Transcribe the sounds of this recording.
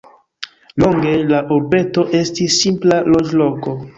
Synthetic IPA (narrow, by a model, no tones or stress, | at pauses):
loŋɡe̞laʔoɾbe̞to̞ʔe̞stisːimplalod͡ʒloko̞